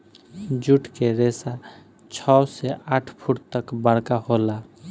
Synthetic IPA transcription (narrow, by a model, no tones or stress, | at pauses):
d͡ʒuʈʰkeɾesa | t͡ʃʰɔsɛʔaʈʰpʰuʈ̚t̪əkbəɽ̤kahola